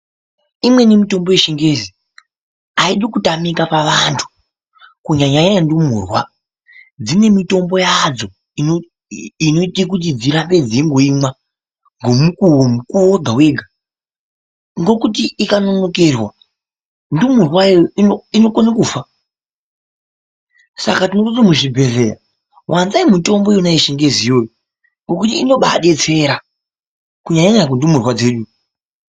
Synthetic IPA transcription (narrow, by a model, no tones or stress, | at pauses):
imwe̞nemito̞mbo̞jeʃiŋɡezi | aiɗikutamikapaʋantʰu̥ | kuɲaɲaɲaandumuːrwa | d͡zine̞mito̞mbo̞jad͡zo̞ | ino | ino̞itik̬ut̬id͡ziɾape̞d͡ziiŋɡo̞imwa | ŋɡo̞mukuomukuoɡʱawe̞ɡʱa | ŋɡo̞kutiikano̞no̞ke̞rwa | ndumurwajoiinokonakuːfa | sa̰katinokotimuʐibʱe̞reja̰ | wʔanzaimuto̞mbo̞jonaiʃeŋɡe̞zijojo | ŋɡo̞kutiːno̞ɓaɗe̞t͡se̞ɾa | kuɲaɲaɲakundumurwad͡ze̞ːɗu